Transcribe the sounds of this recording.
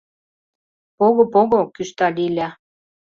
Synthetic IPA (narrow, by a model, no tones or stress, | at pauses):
poɣŏpoɣokyʃt̪ɑlʲilʲæ